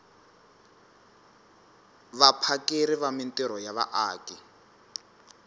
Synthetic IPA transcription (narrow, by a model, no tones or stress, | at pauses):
βapʰakeɾɪβamɪntʼɪɾɔjaβa̰ʔaːkʼɪ